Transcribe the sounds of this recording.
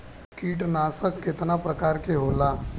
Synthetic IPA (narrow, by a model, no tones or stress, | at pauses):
kiːʈnaːsəkːɪt̪napɾəkaːɾkeɦoːlaː